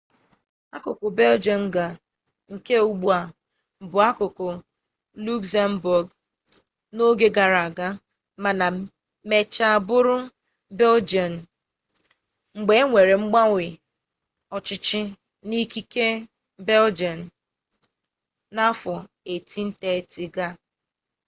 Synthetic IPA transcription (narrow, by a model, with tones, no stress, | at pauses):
a˦kʊ˨kʊ˨be˦ld͡ʒɔ˨n̩˦ɡa˨ | ŋ̩˨ke˦u˦ɡ͡bu˦a˨ | m̩˨bʊ˨a˦kʊ˨kʊ˨ | lu˦ksa˦m̩˦bʊ˨ɡ | no˦ɡe˦ɡa˨ɾa˨a˨ɡa˦ | ma˨na˨ | me˨t͡ʃa˦a˨bʊ˦ɾʊ˦ | be˦ld͡ʒɔ˨n̩˨ | ŋ͡m̩˨ɡ͡be˨˦ŋʷe˨ɾe˨ŋ͡m̩˦ɡ͡ba˦wʷɪ˨ | ɔ˨t͡ʃɪ˦t͡ʃɪ˦ | ni˦ki˦ke˦ | be˦ld͡ʒɔ˨n̩˨ | na˦fɔ˨ | e˨ti˦n̩˦te˦˨ti˨ɡa˦